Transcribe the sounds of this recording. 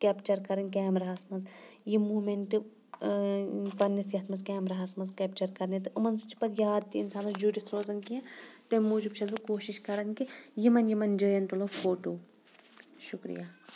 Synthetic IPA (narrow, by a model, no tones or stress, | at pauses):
kɛːpt͡ʃɐɾkɐɾɐnk̬ɛːmɾɐɦɐsmɐnzjimuːmeɳʈɨ | pɐnːɐsjɐt̪ʰmɐzkɛːmɾɐɦɐsmɐzkɛp̚t͡ʃɐɾkɐɾnit̪ɨʔɐmɐnst͡ʃʰi̥pɐt̪jaːd̪̚t̪iinsaːnɐsd͡ʒuːɖikʰɾoːzɐnkiɐ̃t̪emuːd͡ʒubʃʰɐzbɐkoːʃiʃkɐɾɐnkijimɐnjimɐnd͡ʒəːjɐnt̪ulofoːʈoː | ʃukɾḭjaː